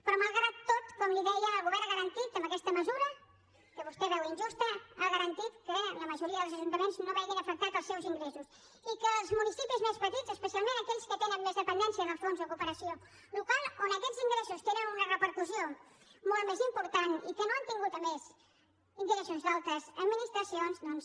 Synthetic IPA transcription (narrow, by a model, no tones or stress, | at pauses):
pɾɔməlˠɣɾat̪ːot̪kɔmliðɛjəəlˠɣuβɛɾɣəɾənt̪it̪əmbəkɛst̪əməzuɾə | kəβust̪ɛβɛwinʲʒust̪əaɣəɾənt̪it̪kələməʒuɾiəðəlˠzəʒunt̪əmenznoβɛɣinəfək̚t̪at̪əlˠsɛwziŋɡɾesus | ikəːlˠzmunisipizmespət̪izəspəsialˠmẽnəkɛʎskət̪enənmezðəpənd̪ɛnsiəðəlˠsfonzðəkupəɾəsio | lukalˠonəkɛziŋɡɾesust̪eɾənunərəpəɾkusio | molˠt̪mezimpuɾt̪anḭkənoant̪iŋɡut̪əmez | ind̪ikəs̬ionzðalˠt̪əsəd̪minist̪ɾəsionzðɔns